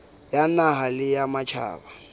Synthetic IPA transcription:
janaɦalɪjamat͡ʃʰa̰ːba

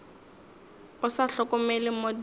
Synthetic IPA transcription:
ʊsaɬɔkʊmɛlɪmod

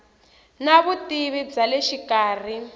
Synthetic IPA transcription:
naβutiβib͡ʐaleʃikaːr̤i

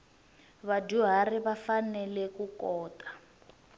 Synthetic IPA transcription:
βaduɦariβafanɛlɛkukɔːtḁ

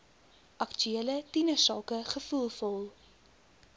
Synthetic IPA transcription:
ʔɐktyeələtinəsɑːkəχəfulˠfɔlˠ

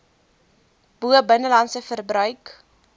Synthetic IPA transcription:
b̥uəbənəlɐnsəfərbrœɥk

